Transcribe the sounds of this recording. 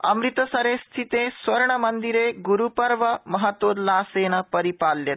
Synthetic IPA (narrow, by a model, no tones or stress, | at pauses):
ɐ̰mɾit̪əsɐɾest̪ʰit̪esʋɐɾɳəmənd̪iɾeɡuɾupəɾʋəmɐɦat̪ʋoːd̪laːseːnapɐɾipaljet̪